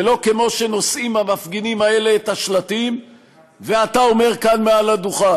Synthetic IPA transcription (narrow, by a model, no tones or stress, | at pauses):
elo̞ke̞mo̞ʃe̞no̞sʔimhamafɡinimae̞le̞ːt̪aʃlat̪im | veatao̞me̞ʁkanmealaduχa